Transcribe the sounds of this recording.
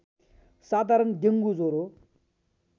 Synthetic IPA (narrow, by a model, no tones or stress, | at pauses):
sat̪aɾənd͡ʑ̪əŋɡuzoɾo